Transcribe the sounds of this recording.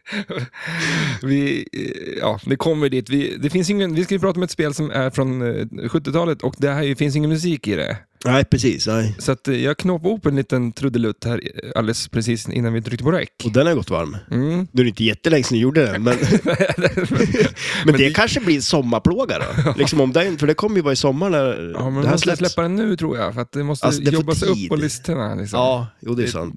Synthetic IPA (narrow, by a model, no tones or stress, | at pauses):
vɪ | jɑ̰ːd̪ɛkʰɔmːəɖiːt̪vɪd̪ɛfɪns̬ɪŋːənvɪskajʏpʰɾɑːt̪aɔmɛt̪speːlsɔmæ̰ɾfɾɔnɧɵt̪ːɪt̪ʰɑːlət̪ʰɔkd̪ɛæɾjɵfɪns̬ɪŋːənmʉs̬iːkɪd̪ɛ̰ | nɛːpʰɾɛsḭːsnɛsɔat̪jɑːɡkʰnoːpaɔpːɛnliːt̪ənt̪ʰɾɵd̪ːəlɵt̪ːhæːɾa̰ld̪ɛspʰɾɛsiːsʔɪ̰nːanɪnʰɾʏkt̪əpʰɔɾɾɛ̰kːɔd̪ɛnhaɾjɡɔt̪ːva̰ɾmm̩nʉɾɪɪnt̪əjɛt̪ːəlɛŋːsɛnɪjuːɖːəd̪ɛnmɛnnɛd̪ɛ | mɛnɛd̪ɛkʰanʂəbliːsɔmːaɾpʰloːɡa̰ɾɔ̰lɪksɔmɔmd̪ɛæɾfœɖɛkʰɔmːəjʉvɑːɾɪsɔmːaɳaɾɑ̰ːmɛnɛhæsɛslɛpːad̪ɛnːʉ̟ːt̪ʰɾṵːɾja̰fœɾat̪̚d̪ɛmɔst̪aəsd̪ɛjɔbːasɛɵp̪ːɔlɪst̪əɳa̰lɪ̰ksɔɑmːjuːd̪ɛjsa̰nt̪